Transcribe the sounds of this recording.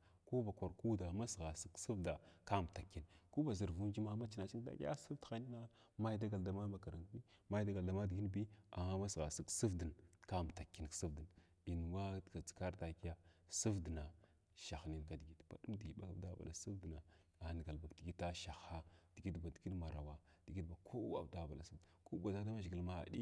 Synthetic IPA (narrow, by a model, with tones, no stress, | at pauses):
ku˦ba˨kʷa˨ɾku˦da˨ma˦sɣa˨si˦ksə˦vda˨ka˦˨m˨ta˨kːi˨nku˦ba˨zi˨ɾvu˦md͡ʒi˦ma˦ma˦t͡ʃi˦na˨t͡ʃi˦da̰˨ka̰˦sə˦vdxa˦ni˦na˦ | ma˦jda˦ɡa˨lda˦ma˦ma˨ka˨ɾa˨n˦bi˦ma˦i˦da˦ɡa˨lda˨˦ma˦dɡi˦nbi˦a̰˨a˦ma˦sɣa˨sə˦ksə˦vdə˨nka˦˨m˨ta˨kːi˨n˨ksə˦vdə˨n | i˨n˨wa˦˨ka˨t͡si̥˨ka˦ɾta˨ki˦ja˦sə˦vdna˨ | ʃa˨xni˨nka˨di˨ɡi˨tb̥a̰˨du˦mdi˨ɡi˨ba˦ka˨da˦ba̰˨la̰˨su˦vdna˨ | a˨˦n˨ɡa˨lba˨kdi˨ɡi˦ta˦ʃa˨xa˦d̥i˨ɡi˦dba˨di˨ɡi˦dma˨ɾa˨wa˨d̥i˨ɡi˦dba˨kʰo˦wa̰˨bda˨˦˨ba̰˨la˨su˦dko˦ba˨za˦da˦ma˦ʒɡi˨lma˦a̰˨di˦